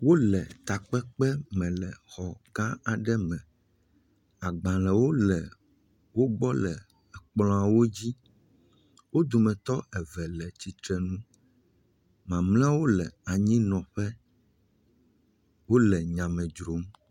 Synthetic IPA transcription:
wo˦lɛ˨t̪a˨k͡pɛ˦k͡pɛ˦mɛ̃˨lɛ˨xɔ˨ɡã˦a˨ɖɛ˦mɛ̃˨ | a˨ɡ͡bã˨lɛ˨wo˦lɛ˨ | wo˦ɡ͡bɔ˦lɛ˨ | ɛ˨k͡plɔ̃˦a˨wo˦d͡ʑi˦ | wo˦d̪o˨mɛ̃˨t̪ɔ˦ʔɛ˨vɛ˨lɛ˨t͡ɕi˨t̪ɾɛ˨nũ˦ | mã˨mlɛ̃˦wo˦lɛ˨a˨ɲĩ˦nɔ̃˨ɸɛ˦ | wo˦lɛ˨ɲã˨mɛ̃˨d͡ʒɾo˨˦m

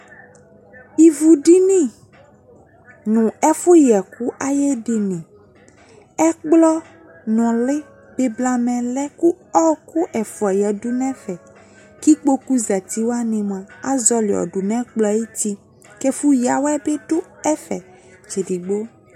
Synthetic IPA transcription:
i˨vu˨ɖi˦nĩ˦˨ | nũ˨ɛ˦fo˦jɛ˨ku˦ʔa˦je˦ɖi˦nĩ˨ | ɛ˦k͡plɔ˦ | nɔ̃˨lɪ˦ | be˨bla˨mɛ̃˨lɛ˦ku˦ɔ˦ku˦ʔɛ˨fo˨ɛ˨jɛ˨du˦nɛ̃˦fɛ˨ | ki˦k͡po˦ku˦za˨t̪i˦wo˦a˦nẽ˨m˨ã˨a˦zɔ˦le˨ɔ̰˨ɖo˨nɛ̃˦k͡plɔ˦e˦t̪i˦ | kɛ˦fu˦ja˨wɛ˦be˦ɖʊ˦ɛ˦fɛ̰˨ | t͡ʃe˨ɖi˨ɡ͡bo˦

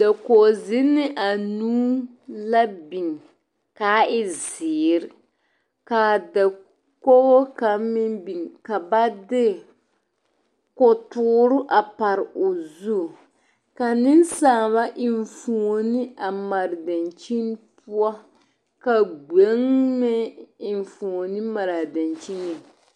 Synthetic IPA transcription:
da˨ko˨zɪ˦nɪ˦ʔa˨nuː˦ | la˦bi˨ŋ | kaː˨˦ɪ˦zɪː˨ɾɪ˦ | ka˨da˨ | ko˦ɣo˦ka˨˦mɪ˦nbi˨ŋka˨ba˦dɪ˦ | kʊ˨tuː˦ɾʊ˦ʔa˨pa˨ɾʊ˨zu˦˨ | ka˨nɪ˦n˦saː˨βa˦ʔɪ˨ɱ˨fu˨o˨nɪ˦a˨ma˨ɾɪ˨da˨nt͡ʃi˦npu˦a˦ | ka˨ɡ͡be˨˦ŋmɛ˦ɪ˨ɱ˨fu˨o˨nɪ˦ma˨ɾa˨da˨nt͡ʃi˦ŋɛ˨

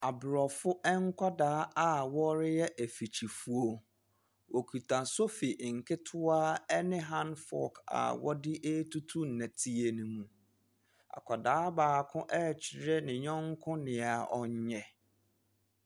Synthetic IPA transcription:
a˨bʊ˨ɾɔ˨fʊ˦ʔɛ˦ŋ˦kʷʰa˦daː˨˦a˦wɔ˦ɾɪ˦jɛ˦ʔæ˨fi˨t͡ɕʰi˨fu˨o˨ | wʔo˨kʰu˨tʰã˨so˦fi˨ʔŋ̩˨kʰɪ˦tʰʊ˦a˦ɛ˦nɪ̃˦ɦã˦nfɔ̰˦˨ka̰˨wɔ̰˦dɪ˦ʔe˦tʰu˦tʰu˦n̩˨nɛ̃˨tʰi˦e˨nũ˦mũ˨ | a̰˨kʷʰa˨daː˨˦baː˨kʰʊ̃˦ʔɛ˦˨t͡ɕʰi˨ɾɛ˦nɪ̃˨ɲɔ̃˦ŋ˦kʰʊ̃˦nɪ̃˨a˨ɔ˦ɲ˦ɲɛ˨

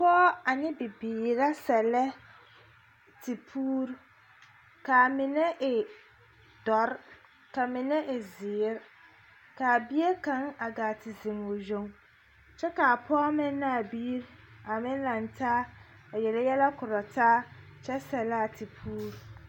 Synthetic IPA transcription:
pɔː˦a˨nɪ˦bɪ˨biː˨ɾa˦sɛ˨lɛ˦ | tɪ˨pʰuː˦ɾ | ka˨mɪ˨nɛ˦ʔɪ˨ | d̥ɔ˨˦ɾ | ka˨mɪ˨nɛ˦ʔɪ˨zɪː˨˦ɾ | ka˨bi˦e˦kã˨˦ŋa˨ɡa˨tɪ˨zɪ˨ŋo˨zo˨ŋ | t͡ʃɛ˦ka˨a˨pʰɔː˦mɪ˦nː˦a˦a˨biː˦ɾa˨mɪ̃˦n˦la˨n˦taː˦ | a˨jɛ˨lɛ˦jɛ˦la˦kʊ˨ɾɔ˨taː˦ | t͡ʃɛ˦sɛ˨lɛ˦a˨tɪ˨pʰuː˦ɾu˦

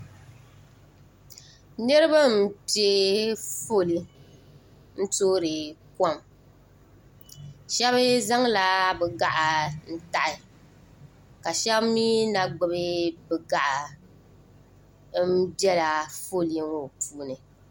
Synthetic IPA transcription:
nɨ˦ɾɨ˦ba˦m̩˦ti˨e˦fo˦˨li˦ | n̩˦toː˦ɾɨ˨ka˦˨m | ʃɛ˦βɨ˦za˦ŋla˨bɛ˨ɡa˨ʔa˨n̩˦ta˨ʔɪ˨ | ka˨ʃɛ˦bmiː˦na˨ɡ͡bɨ˨bɨ˦bɛ˨ɡa˨ʔa˨ | m̩˦dɛ˦la˨fo˦˨li˨˦ŋo˨puː˦nɨ˨

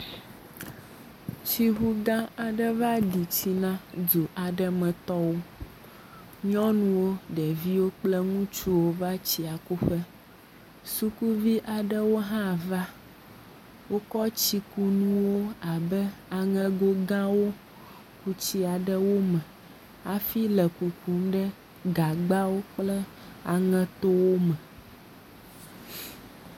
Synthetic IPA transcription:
t͡ɕi˦ɦu˦ɡã˦a˨ɖɛ˦va˦ɖi˨t͡ɕi˨nã˦du˨ʔa˨ɖɛ˦mɛ̃˨t̪ɔ˦wo˦ | ɲɔ̃˦nũ˦wo˦ɖɛ˨vi˦wo˦k͡plɛ˦ŋũ˦t͡ʃu˦wo˦va˦t͡ɕi˨a˨ku˦ɸɛ˦ | su˦ku˦vi˦ʔa˨ɖɛ˦wo˦ɦã˦˨va˦ | wo˦kɔ˦t͡ɕi˦ku˦nũ˦wo˦a˨bɛ˦a˨ŋɛ̃˦ɡo˦ɡã˦wo˦ | ku˨t͡ɕi˦a˨ɖɛ˦wo˦mɛ̃˨ | a˨fi˦lɛ˨ku˨ku˦mɖɛ˦ | ɡa˨ɡ͡ba˦wo˦k͡plɛ˦ | a˨ŋɛ̃˦t̪o˦wo˦mɛ̃˨

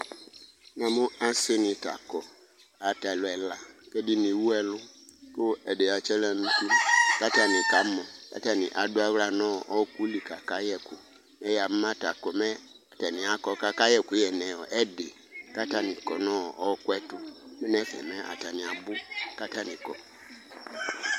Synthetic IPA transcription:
nã˨mʊ˦a˦sɪ˦nɪ̃˨ta̰˨kɔ˨ | a˨ta˨lʊ˨ɛ˨la˨kɛ˦dɪ˦nĩ˨wu˦ɛ˨lʊ˦kʊ˦ɛ˨de˨a˨t͡ʃɛ˦lɛ˨nũ˦tu˦ka˦ta˨nĩ˨ka˨˦mɔ̃˨ka̰˦ta˦nɪ̰̃˨ʔa˨dʊ˦a˦wla˨nɔ̃˦˨ʔɔ˦ku˦li˨ka˨ka˦jɛ˨kʊ˨ | nɛ˦ja˨m̩˦m˦ã˦ta˨kɔ˨mɛ̃˦ | a˨ta˨nĩ˨a˨˦kɔ˦ka˦ka˦jɛ˦ku˨˦jɛ˨nɛ̃˨ɔ˨ʔɛ˦de˨ | ka˦ta˦nĩ˨kɔ˨nɔ̃˦˨ɔ˦kwɛ˦tʊ˦mɛ˦nɛ˦fɛ̰˨mɛ˦a̰˨ta˨nĩ˨a˨bʊ˦ka˦ta˦nĩ˨kɔ̰˨

